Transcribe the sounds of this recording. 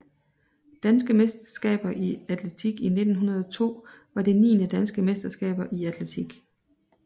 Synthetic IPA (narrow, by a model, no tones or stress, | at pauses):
d̥ænsɡ̥əmesd̥ɐ̥sɡ̥ɛ̰ːb̥ɐʔiæd̥ʰlet͡sʰiɡ̥ine̝d̥n̩ɦunɐð̞ˠɒt͡sʰo̝̰ː | ʋɑ̈d̥e̝nḭːnəd̥ænsɡ̥əmesd̥ɐsɡ̥ɛ̰ːb̥ɐʔiæd̥ʰlet͡sʰiɡ̥